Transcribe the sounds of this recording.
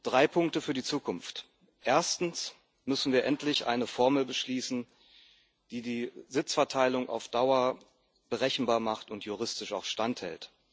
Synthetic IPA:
d̥ʁaɪpʰʊŋktəfyːɐdit͡suːkʰʊnft | ʔeːɐstn̩s | mʏsn̩viːɐʔɛntʰlɪçʔa̰ɪnəfɔɐml̩bəʃliːsn̩ | d̥iːdiːzɪt͡sfɛɐtʰaɪlʊŋʔa̰ʊfd̥aʊɐ | b̥əʁɛçn̩baːɐmaχtʊntʰjuʁ̞ɪstɪʃaʊxʃtanthɛ̰lt

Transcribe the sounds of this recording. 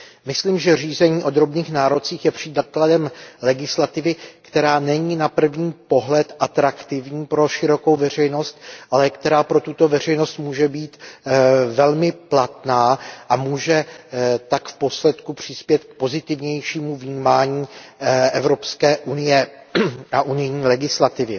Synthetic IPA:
mɪsliːmʒɛriːzɛɲiːʔo̞d̪ɾo̞bniːxnaːɾo̞t͡siːxjɛpr̥ɪdkladɛmlɛɡɪslat̪ɪvɪkt̪ɛɾaːnɛɲiːnapr̩vɲiːpo̞ɦlɛt̪ʔat̪ɾakt̪ɪvɲiːpɾo̞ʃɪɾo̞ko̞wvɛr̝ɛjno̞st̪ʔalɛkt̪ɛɾaːpɾo̞t̪ut̪o̞vɛr̝ɛjno̞st̪muːʒɛbiːt̪ | vɛlmɪplat̪naːʔamuːʒɛt̪akfpo̞slɛt̪kupr̝̥ɪspjɛt̪k̚po̞zɪt̪ɪvɲɛjʃiːmuvɲiːmaːɲiːʔɛvɾo̞pskɛːʔunɪjɛ | aʔunɪjɲiːlɛɡɪslat̪ɪvɪ

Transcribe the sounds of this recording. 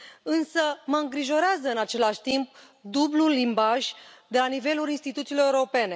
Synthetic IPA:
ɨnsəməɨŋɡɾiʒo̞ɾeazəɨnat͡ʃe̞laʃʲt̪imp̚ | d̪ublulːimbaʒʲd̪e̞lanive̞lulinst̪it̪ut̪siːloeuo̞pe̞ne̞

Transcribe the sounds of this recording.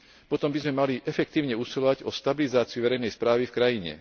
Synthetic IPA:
pɔt̪ɔmbizmɛmaliʔɛfɛkt̪iːʊɲɛusilɔʋaɟɔst̪abilizaːt͡siuʋɛɾɛjnɛjspɾaːʋifkɾajiɲɛ̰

